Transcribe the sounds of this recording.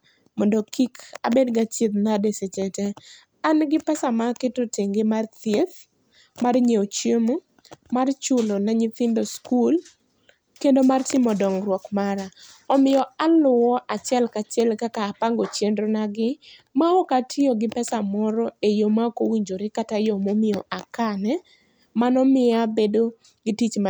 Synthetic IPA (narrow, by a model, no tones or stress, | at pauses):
mɔndokika̰bedɡat͡ʃit̪nadeset͡ʃɛtɛ | anɡɪpɛsamaketoteŋɡemart̪jet̪ | marɲeot͡ʃjemo | mart͡ʃʊlonaɲɪt̪ɪndoskul | kendomartɪmɔdɔŋɾwɔkmaɾa | ɔmɪjɔalʊɔʔat͡ʃɛlkat͡ʃɛlkakapaŋɡot͡ʃjendɾonaɡɪ | maɔkatʰɪɔɡɪpɛsamɔɾɔejomakowiɲd͡ʒoɾɪkatajɔmomɪɔʔakanɛ | manɔmɪabedo | ɡɪtit͡ʃma